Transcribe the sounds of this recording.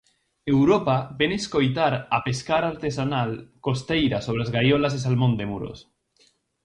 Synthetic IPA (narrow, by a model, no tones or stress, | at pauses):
ewɾopabeneskojt̪aɾapeskaɾaɾt̪esanalkost̪ejɾasoβ̞ɾeazɣajolazðes̬almõnd̪emuɾo̰s